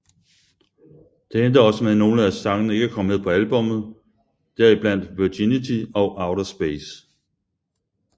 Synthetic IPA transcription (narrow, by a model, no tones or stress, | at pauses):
d̥e̝end̥ɐɒ̽səmeðˠno̝ːləæsɑ̈ŋənəe̝ɡ̥əækʰɒ̽məme̝ðˠpʰɒ̽ælb̥ɔ̽mð̞̩ˠ | d̥æɐib̥læn̰d̥ʋyɐdinit͡sʰiɒ̽ʊʔɑ̈ʊɾɐsb̥eːs